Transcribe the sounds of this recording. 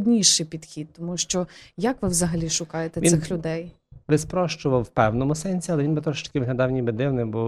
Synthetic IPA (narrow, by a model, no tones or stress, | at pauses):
d̪ʲnʲiʃɪjpʲid̪̥xʲid̪̚t̪ɔmuʃt͡ʃɔjɐkʋɪwzɐɦɐlʲiʃʊkɑjet̪ɛisɪxlʲʊd̪ɛj | bɪspɾɔʃt͡ʃʊʋɐwwpɛwnɔmʊsɛnʲsʲiɐlˠɛʋinbɪt̪ɾɔʃt̪ɐ̥kɪʋɪɦlʲɐd̪ɑwnʲibɪd̪ɪwnɪmbɔ